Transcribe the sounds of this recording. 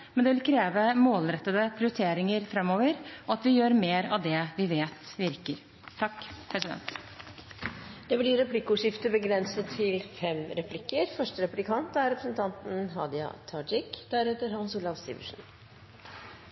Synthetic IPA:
mɛnd̪ɛʋɪlkʰɾeːʋəmoːlɾɛt̪ːəd̪əpʰɾɪʊɾt̪ʰeːɾɪŋəɾfɾɛmːoːʋəɾɔɑt̪ʋɪjøːɾmeːɾɑʋd̪ɛʋɪʋeːt̪ʋɪɾkəɾ | t̪ʰɑkːpʰɾɛsɪd̪ɛ̰nt̪ | d̪̥ɛblɪɾɛpʰlɪkːʊʂɪft̪əbəɡɾɛnsət̪ʰːɪlfɛmɾɛpʰlɪkːəɾfœʂʈəɾɛplɪkʰɑnt̪æɾɛpɾəsənt̪ʰɑnt̪n̩ɦɑ̰ːd̪ɪɑ̰t̪ʰɑːd͡ʒɪkd̪̥æɾɛːt̪əɾɦɑnsuːlɑʋst̪ḭːʋə̰ʂn̩

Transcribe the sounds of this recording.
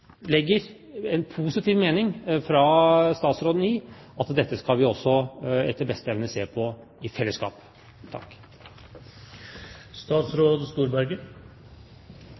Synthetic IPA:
lɛɡːəɾ | ɛnpʰuːsɪt̪ʰiːʋmeːnɪŋfɾɑst̪ɑːt̪sɾoːd̪n̩ɪ | ɑt̪d̪ɛt̪ːəskɑlʋɪɔsːɔɛ̰t̪ːəɾbɛst̪əɛʋnəseːpʰɔ | ɪfɛlːəskɑ̰ːp | t̪ʰɑ̰kː | st̪ɑːt̪sɾoːd̪st̪uːɾbæɾɡə

